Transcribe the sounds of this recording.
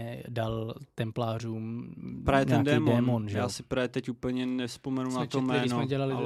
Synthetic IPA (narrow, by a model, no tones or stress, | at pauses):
ɛdalt̪ɛmplaːr̝uːmpɾaːvjɛɲt̪ɛaːndɛːmdɛːmonʒjaːsɪpɾaːvjɛt̪ɛcupl̩ɲɛnɛspomɛnunat̪omɛɾːinsomɛɟɛlalɪ